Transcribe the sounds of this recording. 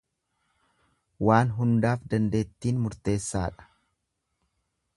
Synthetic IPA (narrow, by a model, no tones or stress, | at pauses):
waːnɦʊnd̪aːfd̪ɐnd̪e̞ːt̪ːiːnmʊɾt̪e̞ːsːaːᶑɐ̥